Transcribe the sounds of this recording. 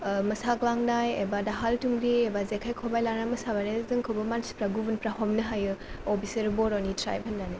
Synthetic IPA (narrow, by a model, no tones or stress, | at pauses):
mɐsaɡlaŋnajḛbadaɦaltuŋɾiebazekʰajkʰobajlanamɐsabanezɯŋkʰowbɐmanspɾaɡubunpɾahɔmnɯɦajɯobiseɾbɔɾonitɾa̰jb̚hɐnːanɯ